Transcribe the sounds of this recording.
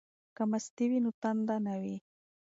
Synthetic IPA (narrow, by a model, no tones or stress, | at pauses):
kamast̪iwinʊt̪and̪anawi